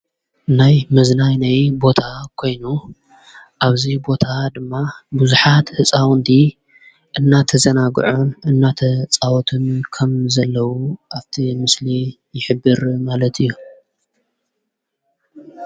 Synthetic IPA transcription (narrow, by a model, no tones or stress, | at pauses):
najmɨznajnajbo̞t̪ʰakʰo̞jnu | ʔaβzibo̞t̪ʰad̪ɨmːabuzuħat̪hɨt͡sʼawnd̪i | ʔɨnːat̪ʰɐzɐnaɡɨ̰ʕonɨnːat̪ʰɐt͡sʼawɔt̪ʰɨnkʰɐmzɐlːɐwuʔaβt̪ʰimɨsli | jɪħɨbːɨɾmalɐt̪ʰɨjːu